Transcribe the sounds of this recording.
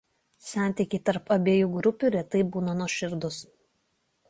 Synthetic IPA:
sʲæˑnʲt̪ʲɪkʲiɪt̪ɐɾpɐbʲeːjuːɡɾʊpʲuˑɾʲɛt̪ɐɪbuːnɐnuɔʃʲɪɾd̪ʊs

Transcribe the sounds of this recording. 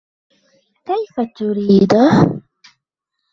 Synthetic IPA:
kajfat̪ʊɾiːd̪ah

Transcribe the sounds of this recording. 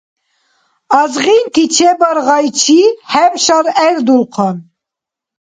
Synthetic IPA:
ɑzʁint̪ʰit͡ʃʰɛbɑɾʁɑjt͡ʃʰihɛmʃɑɾɛɾd̪ulqʰɑn

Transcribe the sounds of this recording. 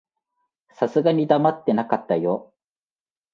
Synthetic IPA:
sasɨɡaɲ̟id̪amat̪ːe̞nakat̪ːajo

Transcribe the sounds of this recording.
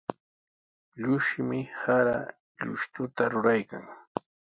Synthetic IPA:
ʎʊʃɪmɪhaɾa̰ | ʎʊ̰ʃt̪ʊt̪aɾʊɾajkaŋ

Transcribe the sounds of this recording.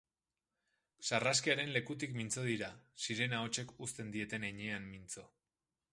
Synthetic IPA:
saraskiaɾe̞nle̞kut̪̬ikmint͡so̞ð̞iɾasiɾe̞nao̞t͡ʃe̞kust̪e̞nd̪ie̞t̪e̞neɲe̞amːint͡so̞

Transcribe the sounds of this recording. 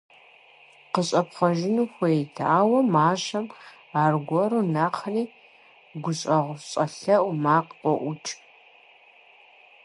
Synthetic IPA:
qəɕʼɐpχʷɔʒɪnuːxʷetʰaːwɐmaːʒɐm | aːrɡʷɔɾunaːqʰɐniː | ɡʷʊɕʼɐʁʷʊɕʼɐɬɐʔmaːqʷʼɔʔʷʊt͡ʃʼ

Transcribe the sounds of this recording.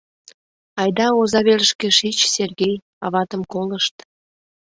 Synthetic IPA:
ɑjd̪ɑozɑβeləʃkeʃit͡ɕserɣʲej | ɑ̰βɑt̪əmkoləʃt̪

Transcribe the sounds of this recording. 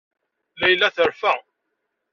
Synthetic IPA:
læjlːæθəɾfæ

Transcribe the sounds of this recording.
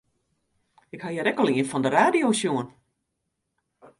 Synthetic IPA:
ɪkhajəɾɛkɔlˠiənfɔndəraːdijosjuən

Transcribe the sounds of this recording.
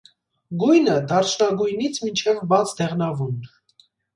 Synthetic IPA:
ɡujnəd̪ɑɾt͡ʃʰnɑɡujnit͡sʰmint͡ʃʰɛvbɑt͡sʰd̪ɛʁnɑvun

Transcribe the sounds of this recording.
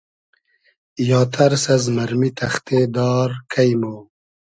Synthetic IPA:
jɑːt̪ʰɐɾsɐzmɐɾmit̪ʰɐxt̪eːd̪ɑːɾkʰɐjmoː

